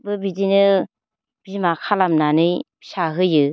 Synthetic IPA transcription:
bɯbidinɯ | b̥imakʰalamnanɯjbisaɦɯjɯ

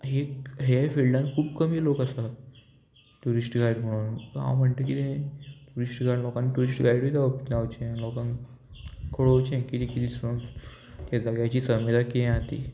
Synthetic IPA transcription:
ɦeɦafelɖãnkʰuːbkəmiːlokasa | ʈuɾisʈɡajɽm̤əɽ̃uːnt̪ɦã̰wm̤əɳt̪ekit̪ẽʈuɾisʈɡalɔkanːiʈuɾisʈɡajɽʋid͡zapnawt͡ɕẽlɔkãn | kʰoɽot͡ɕẽkit̪ĩkit̪isən | t̪jad͡zaɡjat͡ɕiːsəmʋid̪ʱakɛ̃at̪ḭ

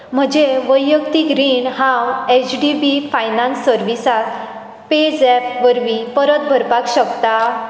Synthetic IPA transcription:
m̤əd͡ʑeʋəjːəkt̪iɡɾiɳɦãwet͡ɕɖibifajnãnsːəɾʋisat̪ | ped͡zɛpʋəɾʋipəɾət̪̚bʱəɾpakɕəkt̪a

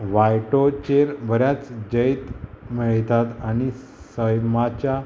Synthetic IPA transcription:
ʋajʈot͡ɕeɾbəɾjat͡sd͡ʑəjt̪miɭt̪at̪añi | səjmat͡ɕa

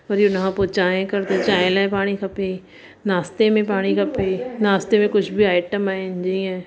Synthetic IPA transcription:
ɔɾjonɦãpot͡ʃaːẽkɐɾd̪et͡ʃaːɪ̃lɛ̃paːɽ̃ikʰɐpẽː | naːst̪emẽpaːɽ̃ikʰɐpenaːst̪emẽkʊt͡ʃʰbʱiaːɪʈəmand͡ʒə̃ɛ̃ː

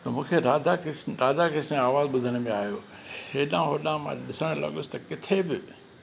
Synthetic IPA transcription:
t̪ɐmũːkʰeɾaːd̪akɪsɾaːd̪akɪsnẽaːʋaːzɓʊd̪ʱəɽ̃̆mẽaːɦijoː | eːɗãɦoːɗãmãɗɪsəɽ̃lɐ̰ɠʊsɪ̥t̪ɐkɪt̪ʰebɪ

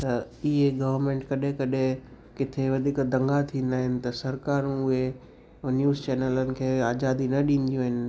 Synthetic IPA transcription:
t̪ɐ | ɪɦeɡɐʋəɾmẽːɳʈkɐɗɦẽkɐɗẽ | kɪt̪ʰeʋɐd̪ʱiːkd̪ʱɐ̃ŋɡat̪ʰĩːnd̪aːɦɪnɪ̆t̪ɐsɐɾkaːɾũʊɦe | njuːzt͡ɕeːnələnɪ̆kʰeːaːd͡ʒaːd̪inɐɗĩːn̆d̪ijũɦɪnɪ̆

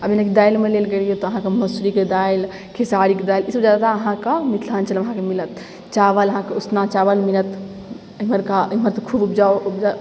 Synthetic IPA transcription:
əbinakid̪ailmelelɡeɾiot̪ɔɐɦãkeməsuɾiked̪ail | kʰisaɾiked̪ailisəbd͡ʒjad̪ad̪aːɦãkamit̪ʰlaːnt͡ʃələmɐɦãkemilət̪̚ | t͡ʃaʋəlɐɦãkeusnãt͡ʃaʋəlmilət̪ | əiməɾkaɦməɾt̪kʰubupd͡ʒaupd͡ʒa

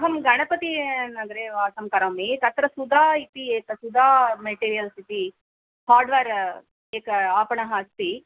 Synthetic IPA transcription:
ɦɐmɡɐɳɐpɐt̪inɐɡɐɾeːʋaːsɐmkɐɾɐːmit̪ɐt̪ɾɐsud̪ʱaːit̪ieːkɐsud̪ʱaːmeʈiːɾijɐlsit̪i | haːɾɖʋaːɾ | eːkɐaːpɐɳɐɦaːst̪i

